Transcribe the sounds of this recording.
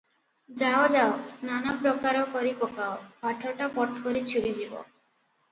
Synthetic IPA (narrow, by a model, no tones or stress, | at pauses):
d͡ʑaod͡ʒaosnanapɾokaɾokɔɾipɔkaobʱaʈʰoʈapɔʈʰkoɾit͡ɕʰulid͡ʑibo̰